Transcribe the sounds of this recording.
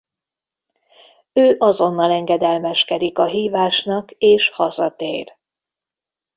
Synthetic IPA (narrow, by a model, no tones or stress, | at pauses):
øːʔɒzo̞nːɒlɛŋɡɛd̪ɛlmɛʃkɛd̪ikɒɦiːvaːʃnɒkeːʃhɒzɒt̪eːr